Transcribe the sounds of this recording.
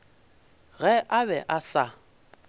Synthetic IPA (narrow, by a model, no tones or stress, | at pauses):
ɣɛʔaβɛʔaɬa